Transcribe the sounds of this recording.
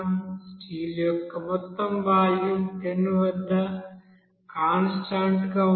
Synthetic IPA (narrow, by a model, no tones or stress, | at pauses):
msʈiːljɔkːɐmɔt̪ːɐmbʱaːjumt̪enːuʋɐd̪ʱːɐ | kaːnsʈaːɳʈɡɐ